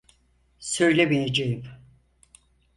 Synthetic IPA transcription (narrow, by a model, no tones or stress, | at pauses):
søjlʲemijed͡ʒejim